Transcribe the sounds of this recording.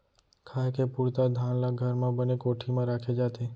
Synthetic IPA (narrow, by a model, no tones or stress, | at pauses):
kʰakepuɾt̪ad̪ʱanlaɡʱəɾmãbənekoʈʰimãɾakʰed͡ʒat̪e